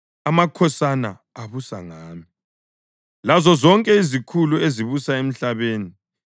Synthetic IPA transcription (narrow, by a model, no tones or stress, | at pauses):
amakʰɔsanaː | βusa̰ŋaːmi | lazɔzɔŋkʼɛizikʰulueziβusaem̩ɬaβeːni